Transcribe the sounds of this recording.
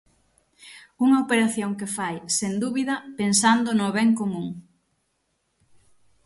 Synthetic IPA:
uŋɐopeɾaθjoŋkefajsend̪uβiðɐpensand̪ʊnoβɛŋkomũŋ

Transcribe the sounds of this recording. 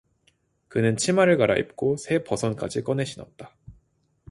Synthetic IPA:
kɯnɯnt͡ɕʰimaɾɯɭkaɾa̰ʔḭp̚k͈osʰe̞pʌsʰʌnk͈ad͡ʑik͈ʌne̞ɕʰinʌt̚t͈ḁ

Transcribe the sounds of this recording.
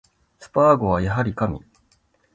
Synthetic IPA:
sɨ̥paːɡo̞βajaɦaɾʲikamʲḭ

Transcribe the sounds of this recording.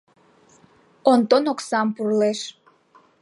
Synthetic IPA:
ont̪onoksɑmpurleʃ

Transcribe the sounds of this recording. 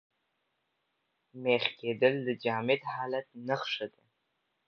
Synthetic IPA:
meːχʲkʰedɨlːɨd͡ʒaːmetħaːlɐt̚ʰnɨχʂɐdʰʼɐ

